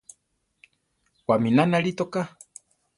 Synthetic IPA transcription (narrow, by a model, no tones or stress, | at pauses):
waminanaɾit̪oka